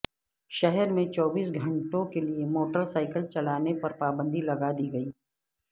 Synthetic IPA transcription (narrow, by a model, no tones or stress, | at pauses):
ʃɛɦɛɾmẽt͡ʃɔːbiːs̬ɡʱɐ̃ɳʈõkeliemoːʈəɾsaːɪkəlt͡ʃɐlaːnepɐɾpaːbə̃nd̪ilɐɡad̪iɡɐiː